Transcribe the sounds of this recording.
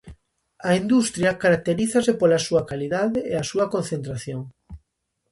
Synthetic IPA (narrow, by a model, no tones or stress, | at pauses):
ɐind̪ust̪ɾjɐkaɾak̚t̪eɾiθɐsɪpolɐsuɐkaliðaðɪeasuɐkõnθent̪ɾaθjoŋ